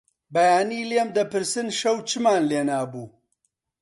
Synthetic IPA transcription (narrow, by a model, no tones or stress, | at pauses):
bɐjaːniːlemd̪ɐpɨɾsɨnʃɐwt͡ʃɨmaːnleːnaːbuː